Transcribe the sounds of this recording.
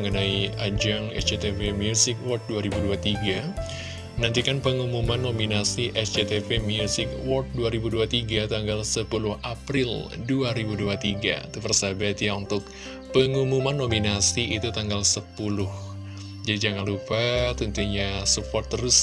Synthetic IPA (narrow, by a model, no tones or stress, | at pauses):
əŋənaiad͡ʒaŋɛ̰sd͡ʒet̪evemiusɪk̚wɔrt̪̚duaɾibuduat̪iɡa | mənant̪ikanpəŋumumanːominasiʔɛsd͡ʒet̪epemiusɪkwɔrt̪̚duaɾibuduat̪iɡat̪aŋɡalsəpulʊhapɾɪlduaɾibuduat̪iɡa̰it̪upərsabat̪jaunt̪ʊk̚ | pəŋumumanːominasiit̪ut̪aŋɡalsəpulʊh | d͡ʒadid͡ʒaŋanlupat̪unt̪uɲasupɔrt̪ːəɾʊs